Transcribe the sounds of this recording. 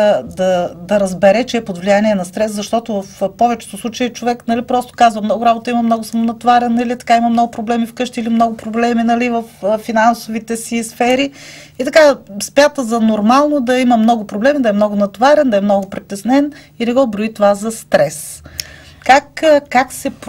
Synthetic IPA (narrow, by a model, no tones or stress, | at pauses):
d̪ɐd̪ɐɾɐzbɛɾɛt͡ʃɛːpod̪vlijaniɛnɐst̪ɾɛszɐʃt̪ɔt̪ovəfpɔvɛt͡ʃɛ̥t̪ʊslˠut͡ʃɐjit͡ʃovɛknɐlipɾɔst̪o̥kazvɐmnɔɡʊɾabot̪əimɐmnɔɡʊsɐmonɐt̪vaɾɛnɐlit̪ɐ̥kaimɐmnɔɡʊpɾoblɛmifkɤʃt̪iilimnɔɡʊpɾoblɛminɐlivəffinansovit̪ɛsisfɛɾi | it̪ɐkaspʲat̪əzɐnoɾmalˠnod̪ɐiməmnɔɡʊpɾoblɛmid̪ɐɛmnɔɡʊnɐt̪vaɾɛnd̪ɐɛmnɔɡʊpɾit̪ːɛsnɛn | inɛɡɔbɾoit̪ovazɐst̪ɾɛs | kakkaksɛp